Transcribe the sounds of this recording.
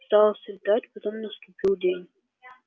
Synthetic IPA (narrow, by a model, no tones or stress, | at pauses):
st̪ɑlˠəsʲd̪atʲpɐt̪omnəst̪ʊpʲilˠdʲenʲ